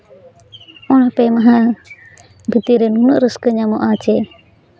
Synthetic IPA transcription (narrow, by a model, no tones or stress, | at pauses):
ɔnhapɛmaɦa | bʱit̪iɾɛnunəʔɾəskəɲamɔʔat͡ʃɛ